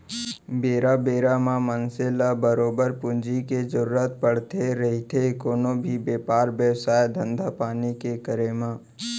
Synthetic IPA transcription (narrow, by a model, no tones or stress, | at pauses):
beːɾabeːɾamãmənselabəɾoːbəɾpʊ̃nd͡ʒiked͡ʒəɾuːɾət̪̚pəɽ̤t̪eɾɐɦit̪ʰekoːnõbʱibeːpaːɾbjəwsaːjd̪ʱə̃nd̪ʱapaːnikekəɾemãː